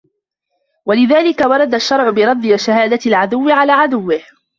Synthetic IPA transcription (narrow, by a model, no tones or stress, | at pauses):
walɪðaːlɪkawɑɾˤɑd̪aʃːɑɾˤʕʊbɪɾˤɑd̪ˤːjaʃahaːd̪aɪlʕad̪ʊwːɪʕalaːʕad̪ʊwːɪh